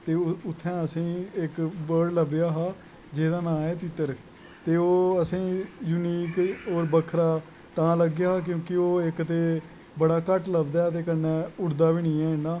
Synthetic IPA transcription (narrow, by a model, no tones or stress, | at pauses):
t̪eːʊt̪ʰːɛ̃ːəsĩːɪkbəːɽləbjaːɦaː | d͡ʒeːd̪aːnãːɛːt̪ɪt̪ːəɾ | t̪eːoːəsĩːjuniːkoːɾbəkʰːɾaː | t̪ãːləɡejaːɦaːk̬jõːkioːɪkt̪eː | bəɽaːkəʈləbd̪aːt̪eːkənːɛ̃ːʊɽd̪aːbiːnĩːɛ̃ːɪaː